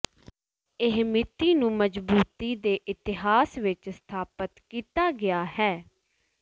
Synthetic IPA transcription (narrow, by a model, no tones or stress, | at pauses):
ɪɦmɪt̪iːnũːməd͡ʒbuːt̪iːd̪eːʔɪt̪ɪɦaːsʋɪt͡ʃst̪ʰaːpət̪kiːt̪aːɡɪjaːhɛː